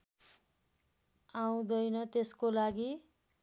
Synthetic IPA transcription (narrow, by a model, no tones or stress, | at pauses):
aw̃d̪ʌjnʌt̪eskolaɡi